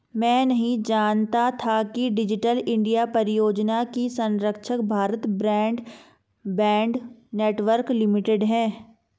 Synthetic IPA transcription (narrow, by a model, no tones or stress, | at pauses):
mɛ̃ːnɐɦĩd͡ʒaːnt̪at̪ʰakiɖɪd͡ʒɪʈəlɪ̃ɳɖijapɐɾɪjoːd͡ʒnakisɐ̃nɾəkʃəkbʱaːɾət̪bɾɛ̃ːɳɖ | bɛ̃ːɳɖneːʈʋəɾklɪmɪʈeɖɦɛ̃ː